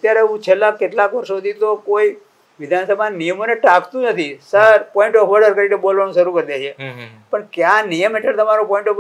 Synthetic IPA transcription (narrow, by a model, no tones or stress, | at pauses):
ət̪jaɾeũt͡ʃʰelːakːeʈlakʋəɾʃod̪ʱit̪okoi | ʋɪd̪ʱansəbʱanijəmoneʈakt̪ũnət̪ʰisəɾpɔ̃iɳʈɔfʋəɾɖəɾkəɾinebolʋaɽ̃ũʃəɾukəɾd̪et͡ʃʰepəɳkjãnijəmeʈəɭt̪əmaɾopɔ̃ĩɳʈɔ